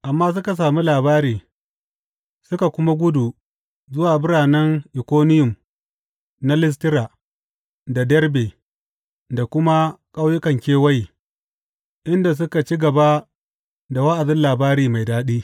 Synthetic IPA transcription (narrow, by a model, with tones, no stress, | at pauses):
ʔa˨mːaː˦s̬ʊ˦ka˨s̬aː˨mi˦laː˨baː˦ɾiː˨ | sʊ˦ka˨kʷʊ˦ma˦ɡʷʊ˦du˨ | zʊ˦waː˨bɪ˦ɾaː˨nɛ˦ŋʔɪ˨kʷoː˦nɪ˦jʊ˨m | na˦lɪ˦s̬tɪ˦ɾaː˨ | da˨dɐ˦rbe˨ | da˨kʷʊ˦ma˦kʼa˦wjʊ˦kɐ˨ŋkʲeː˦wɐ˦ji˨ | ʔɪ˦nda˨s̬ʊ˦ka˨t͡ʃi˦ɡɐ˨ba˦ | da˨wa˦ʔa˨dɪ˦nlaː˨baː˦ɾiː˨ma˨jdaː˦ɗiː˦